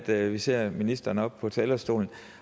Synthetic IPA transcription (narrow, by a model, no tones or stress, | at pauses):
d̥ʋise̝ɐ̰minisd̥ɐːnəɒ̽b̥̚pʰɒ̽t͡sʰɛːlɐsd̥o̝̰ːln̩